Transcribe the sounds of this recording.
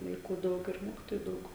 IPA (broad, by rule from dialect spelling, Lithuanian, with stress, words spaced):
ʋɐɪˈkuː ˈdɐʊk ɪr ˈmoːkʲɪtoːjʊ ˈdɐʊk